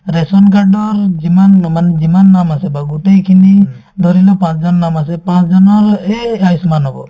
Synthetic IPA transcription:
ɾɛsɔnkaɹɖɔɹzimanmanɛzimanːamasɛbaɡuʈejkʰini | d̪ʱɔɾilɔpãsd͡ʒɔnɔnamasɛpãsd͡ʒɔnɔɾeajsmanɦɔbɔ̰

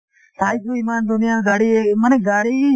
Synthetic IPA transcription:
saːitʰuiːmaːnd̪ʊnɪjaːnɡaːɽieməneːk̚ɡaːɽiː

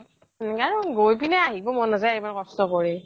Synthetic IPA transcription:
kaɹɔɡojpinɛaɦibɔmɔnazajaimankɔstɔkɔɹi

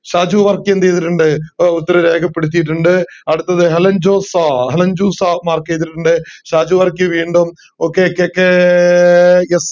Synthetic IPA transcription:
ɕaːd͡ʑuʋɐrkːiend̪ejðiʈːuɳɖɨut̪ːɐɾɐɾe̞ːɡʰɐpːe̞ɽut̪ːijiʈ̬ːuɳɖɨɐɽut̪ːɐðɨɦelɐɲd͡ʑoːsaɦelɐɲd͡ʑuːsaːmaːrkːejðiʈːuɳɖɨɕaːd͡ʑuʋɐrkiʋiːɳɖom | okːeokːejokːe | es

